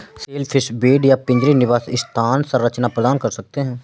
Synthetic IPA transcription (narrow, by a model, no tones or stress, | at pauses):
seːlpʰɪʃbeːɖjapɪ̃ɲd͡ʒɾinɪʋaːsɪst̪ʰaːnsəɾːət͡ʃnapɾəd̪aːnkɐɾsɐk̚t̪eɦɛ̃ː